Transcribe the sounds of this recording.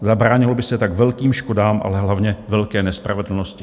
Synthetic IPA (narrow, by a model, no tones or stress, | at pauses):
zabɾaːɲɪlobɪsɛt̪akvɛlkiːmʃko̞daːmʔa̰lɛɦlavɲɛvɛlkɛːnɛspɾavɛdl̩noscɪ